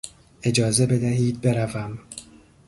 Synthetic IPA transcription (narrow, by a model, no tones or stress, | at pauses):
e̞d͡ʒɒːze̞be̞d̪æɦiːd̪̚be̞ɾævæm